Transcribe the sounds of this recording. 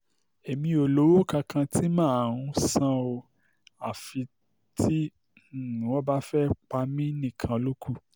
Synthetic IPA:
e˨mĩ˧o˨lo˨˦wo˦kã˧kʰã˧tʰi˦mãː˦˨a˨wũ˧sã˦o˧ | a˨fi˧ | ti˦˨ | nũ˨wɔ̃˦ba˦fɛ˦k͡pa˧mĩ˦nĩ˦˨kʰã˧o˧lo˦kʰu˦˨

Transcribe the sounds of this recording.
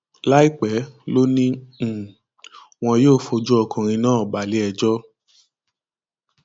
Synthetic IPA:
la˦i˦k͡pɛ˨˦lo˦nĩ˦˨ | w̃ɔ̃˧joː˦˨fo˧d͡ʒu˦ɔ˦˨kʰũ˨ɾ̃ĩ˧nãː˦ɔ˨ba˨li˨˦ɛ˧d͡ʒɔ˦

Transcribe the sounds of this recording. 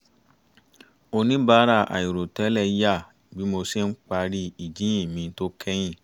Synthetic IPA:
o˧nĩ˦ba˨˦ɾa˧˨ʔa̰˨i˨ɾo˨tɛ˨˦lɛ˦˧˦ja˦˨ | bi˨˦mo˧si˦n̩˦k͡pa˧ɾi˦i˨d͡ʒĩ˦ĩ˦˨mĩ˧˦to˦kʰɛ˦j̃ĩ˦˨

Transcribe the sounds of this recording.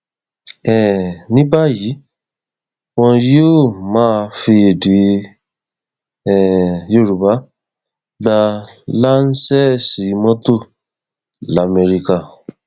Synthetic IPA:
ɛ˨nĩ˦ba˦˨ji˨˦ | wɔ̃˧jo˦˨mãː˦˧fi˧e˨de˨˦ | ɛ˨jo˧˦˨ɾu˨ba˨˦ | ɡ͡ba˧la˦n̩˦sɛ˦si˨˦mɔ̃˦to˦˨ | la˨˦˨me˧ɾi˧ka˧˨

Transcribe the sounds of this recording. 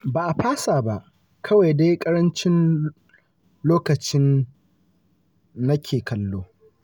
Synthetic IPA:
baː˨ʔa˨ɸaː˦saː˨ba˦ʔ | kʰɐ˦wa˨jde˦kʼɐ˦ɾɐ˦nt͡ʃɪ˦n | loː˦kɐ˨t͡ʃɪ˦n | nɐ˦kʲʰeː˨kʰɐ˨lːoː˦

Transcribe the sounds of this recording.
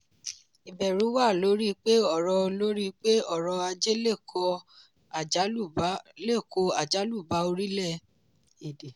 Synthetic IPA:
i˨bɛ˨ɾu˨˦wa˦˨lo˨˦ɾi˦k͡pe˦ɔ˦˨ɾɔ˧lo˦ɾi˦k͡pe˦ɔ˦˨ɾɔ˧a˧d͡ʒe˦le˦˨kʰɔ˧˨˦ | le˦˨ko˧a˨d͡ʒa˨˦lu˦˨ba˨˦o˧ɾi˦lɛ˦˨ | e˨de˨

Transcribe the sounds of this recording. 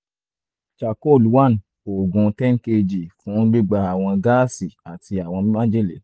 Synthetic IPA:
ʃa˨ko˦˨lu˨˦wa˦˨n˨ | o˨ɡũ˨˧tɛ˦ŋ̩˦ke˧d͡ʒi˨fũ˨˦ɡ͡bi˦ɡ͡ba˧a˨w̃ɔ̃˧ɡa˦si˨a˨tʰi˧a˨w̃ɔ̃˧˦mã˦d͡ʒe˦le˨

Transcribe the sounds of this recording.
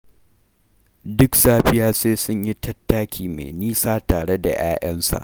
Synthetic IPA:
dʊ˦ksaː˦ɸɪ˦jaː˦seː˦sʊ˦ɲji˦tɐ˦tːaː˦kʲʰiː˨mḛ˨niː˦saː˦taː˨ɽe˦da̰˨j̰aː˦ʔɐ˦nsa̰˨ʔ

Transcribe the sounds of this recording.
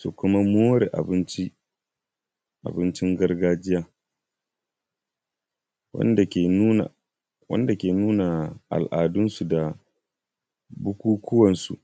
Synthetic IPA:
su˨kʷʊ˦ma˦moː˦ɾe˨ʔa̰˨bɪ˦nt͡ʃi˦ | ʔa̰˨bɪ˦nt͡ʃɪ˦ŋɡɐ˦rɡaː˦d͡ʒɪ˦jaː˦ | w̰ndn̰˨ | wɐ̰˦nda˨kʲeː˨nuː˦na˨ʔa̰˨lʔaː˨dʊ˦nsu˨da˨ | bʊ˦kʷuː˦kʷʊ˦wɐ˨nsṵ˨ʔ

